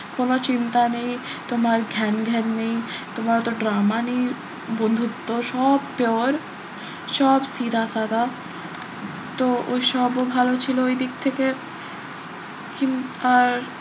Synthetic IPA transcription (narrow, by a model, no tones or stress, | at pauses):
konot͡ɕint̪aneĩt̪omaɾɡʱɛnɡʱɛɾneĩt̪omaɾt̪oɖɾamani | bõnd̪ʱut̪ːoʃɔbpjoɾ | ʃɔbsid̪ʱasad̪a | t̪ooʃɔbobʱalot͡ɕʰilooijd̪ik̚t̪ʰeke | kinaɾ